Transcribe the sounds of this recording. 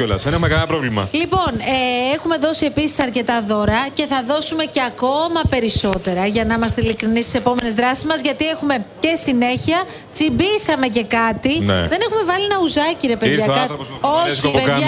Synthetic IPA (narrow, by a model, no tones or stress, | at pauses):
olɐsinemeɣɐlpɾovlimɐ̰lipo̞neexume̞ðo̞sie̞pisi̥sɐɾce̞t̪ɐðo̞ɾɐce̞θɐðo̞sume̞ce̞ɐko̞mɐpe̞ɾiso̞t̪e̞ɾɐʝɐnɐimɐst̪eilikɾinist̪i̥se̞po̞me̞ne̞zðɾɐsi̥zmɐzʝɐt̪ie̞xume̞ce̞sine̞çiɐ | t͡simbisɐme̞c̬e̞kɐt̪inḛðe̞ne̞xume̞vɐlienɐuzɐciɾe̞pe̞ððʝɐkɐoipeʝɐ